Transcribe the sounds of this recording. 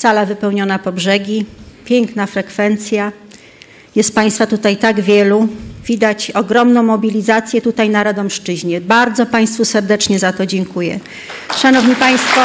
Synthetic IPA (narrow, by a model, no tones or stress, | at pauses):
salavɘpɛwɲɔnapɔbʐɛɡʲipʲjɛŋknafɾɛkfɛnt̪sʲja | jɛst̪̚paj̃st̪fat̪ut̪ajt̪aɡvʲjɛluvʲid̪at͡ɕɔɡɾɔmnɔ̃w̃mɔbʲilʲizat̪sʲjɛt̪ut̪ajnaɾad̪ɔmʂt͡ʂɘʑɲɛbaɾd̪zɔpaj̃st̪fusɛɾd̪ɛt͡ʂɲɛzat̪ɔd͡ʑɛŋkujɛ̰ | ʂanɔvɲipaj̃st̪fɔ